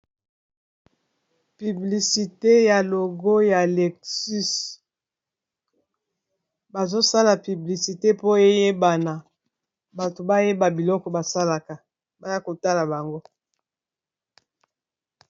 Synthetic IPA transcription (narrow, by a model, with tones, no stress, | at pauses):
py˨bli˨si˨te˦ja˨lo˨ɡo˦ja˨lɛ˨ksy˦s | ba˨zo˦sa˦la˨py˨bli˨si˨te˦po˦e˦je˦ba˨na˨ | ba˨to˨ba˦je˦ba˨bi˨lɔ˦kɔ˨ba˨sa˦la˨ka˨ | ba˦ja˦ko˨ta˦la˨ba˨ŋɡo˦